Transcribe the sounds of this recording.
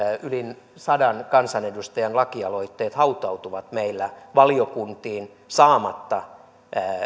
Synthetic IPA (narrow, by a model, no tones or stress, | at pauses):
ylin | sɑdɑnkɑnsɑnedust̪ɑjɑnlɑkiɑloit̪ːeːt̪hɑut̪ɑut̪uʋɑt̪meilːæʋɑliokunt̪iːn | sɑːmɑt̪ːɑ